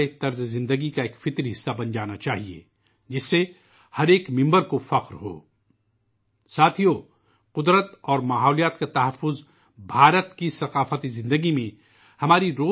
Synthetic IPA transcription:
et̪ɐɾzezɪ̃nd̪əɡikaeːkfɪt̪ɾɦɪsːabɐnd͡ʒaːnat͡ʃaːɦiḛː | d͡ʒɪsːe | hɐɾeːkmɪ̃mbəɾkofɐqɾɦo̰ː | saːt̪ʰijo | qʊd̪ɾət̪ɔːɾmaːɦɔːlijaːt̪kat̪ɐɦɐfːʊz | bʱaːɾət̪kisɐqaːfət̪izɪ̃nd̪əɡimẽ | hɐmaːɾiɾoː

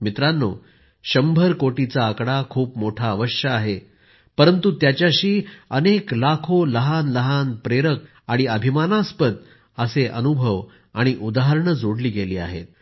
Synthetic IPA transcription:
mit̪ɾanːo̰ | ɕəmbʱəɾkoʈit͡saːkɽakʰuːpmoʈʰaːʋəɕjəːɦe | pəɾənt̪ut̪jat͡ɕjaɕiːəneklakʰoləɦanləɦanpɾeɾək̚ | aɽ̃iəbʱimanaspəd̪̚ | əseʔə̰nubʱəʋ | aɽ̃iʔud̪aɦəɾɳəd͡zoɽliːɡeliːa̰ɦḛt̪̚

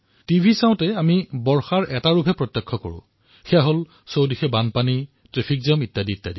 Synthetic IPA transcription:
tibʱisaʊ̃tɛamibɔɹxaɹʔɛtaɹupɛpɹɔtjɔkʰːɔko̰ɹʊ̰̃ | xɛjaɦol | sowdixɛbanpani | tɹepʰikzɔmitːadiitːadi

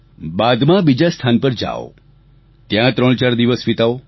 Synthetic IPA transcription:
bad̪mãbid͡ʒast̪ʰanpəɾd͡ʒa̰o̰ | t̪jãt̪ɾəɳt͡ʃaɾd̪iʋəsʋit̪ao

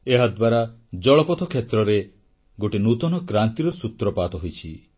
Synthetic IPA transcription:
eɦad̪waɾad͡ʒɔɭɔpɔt̪ʰɔkʰjet̪ɾɔɾe | ɡoʈinut̪ɔnɔkɾant̪iɾɔsut̪ɾɔpat̪ɔɦojt͡ʃʰi

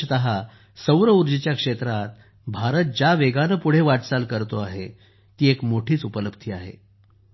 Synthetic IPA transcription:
ət̪əɦa | səwɾəuɾd͡ʑit͡ɕjakʂet̪ɾat̪̚ | bʱaɾət̪̚d͡ʑaʋeɡanəpuɽ̤eʋaʈsalkəɾt̪oaɦe | t̪iːekmoʈʰiːt͡supələbt̪ʰiːaɦḛ

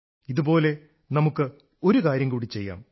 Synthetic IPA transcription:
iðupo̞ːle̞ | nɐmukːɨ | o̞ɾukaːɾjɐŋkuːɽit͡ɕːe̞jːa̰ːm

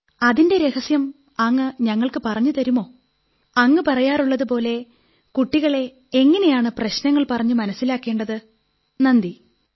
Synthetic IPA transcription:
ɐðinde̞ɾe̞hɐsjɐm | ɐŋːɨɲɐŋːɐɭkɨpɐrɐɲːut̪ɐɾumo̞ː | ɐŋːɨpɐrɐjaːruɭːɐðupo̞ːle̞ | kuʈːiɣɐɭe̞ | eŋːɐne̞jaːɳɨprɐɕnɐŋːɐɭpɐrɐɲːumɐnɐsːilaːkːe̞ːɳɖɐðɨ | nɐnd̪i

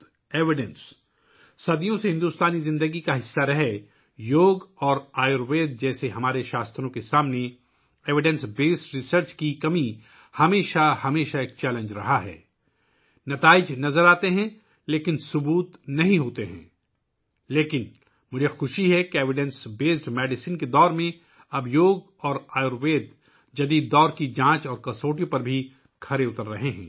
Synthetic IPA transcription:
eːʋɪɖə̃ns | sɐd̪ijõseɦɪ̃nd̪uːst̪aːnizɪ̃nd̪əɡikaɦɪsːaɾɐɦe | joːɡɔːɾaːjoɾʋeːd̪̚d͡ʒɛːseɦɐmaːɾeʃaːst̪ʰɾõkesaːmne | eːʋɪɖɛ̃nsbeːsɾɪsəɾt͡ʃkikɐmĩ | hɐmeːʃahɐmeːʃaeːk̚t͡ʃɛːlə̃ɲd͡ʒɾɐ̰ɦaɦɛ̰ː | nɐt̪aːɪd͡ʒnɐzəɾaːt̪eɦɛ̃ | leːkɪnsʊbuːt̪nɐɦĩɦoːt̪eɦɛ̰̃ː | leːkɪn | mʊd͡ʒʱexʊʃiɦɛkeeːʋɪɖɛ̃nsbeːsʈmɛːɖɪsɪnked̪ɔːɾmẽ | ɐbʱjoːɡ | ɔːɾaːjʊɾʋeːd̪ | d͡ʒɐd̪iːd̪ːɔːɾkid͡ʒãːt͡ʃɔːɾkɐsoːʈipɐɾbʱi | kʰɐɾeʊt̪əɾːɐɦeɦɛ̰̃ː

